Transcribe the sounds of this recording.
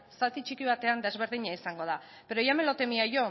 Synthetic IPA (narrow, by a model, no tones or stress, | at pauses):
sat̪it͡ʃikiβ̞at̪e̞and̪e̞zβ̞e̞ɾð̞iɲaisaŋɡo̞ð̞a | peɾojame̞lo̞t̪e̞miaʝo̞